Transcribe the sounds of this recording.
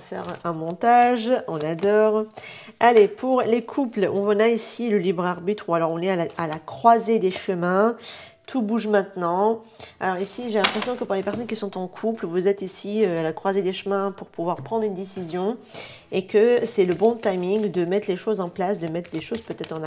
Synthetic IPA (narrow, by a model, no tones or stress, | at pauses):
fɛ̰ʁɛ̃mɔ̃t̪aʒɔ̃nad̪ɔʁalepʰuʁlekʰuplɔ̃ɔ̃naisiləlibʁaʁbit̪χualɔʁɔ̃nɛalaalakχwazed̪eʃəmɛ̃ | t̪ʰubuʒmɛ̃t̪nɑ̃ | a̰lɔʁisiʒelɛ̃pχesjɔ̃kəpuʁlepɛʁsɔnkʲisɔ̃t̪ɑ̃kʰuplvuzɛt̪isiøalakχwazed̪eʃəmɛ̃puʁpuvwaʁpχɑ̃d̪ʁynd̪esizjɔ̃ | ekəsɛləbɔ̃t̪ajmiŋd̪əmɛt̪χleʃozɑ̃plasd̪əmɛt̪χd̪eʃozpøt̪ɛt̪χɑ̃na